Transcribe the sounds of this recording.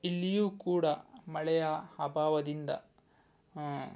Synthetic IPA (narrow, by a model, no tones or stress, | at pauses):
ilːijuːkuːɽɐmɐɭɛjɐhɐbaːʋɐd̪ind̪ɐ̰